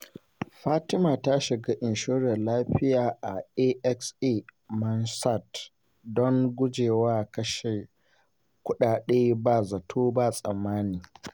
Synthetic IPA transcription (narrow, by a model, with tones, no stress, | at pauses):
ɸaː˦tɪ˦maː˨ta˦ʃɪ˨ɡa˦ʔɪ˨nʃoː˦ɾɛ˨laː˦ɸɪ˦jaː˨ʔa˨ʔe˦ʔɛ˦kse˦mɐ˦nsa˦˨t | dɔ˦ŋɡʷʊ˦d͡ʒeː˨waː˦kɐ˦ʃe˨ | kʷʊ˦ɗaː˨ɗeː˦baː˨zɐ˨tʰoː˦ba˦˨sʼɐ˨mːaː˦niː˨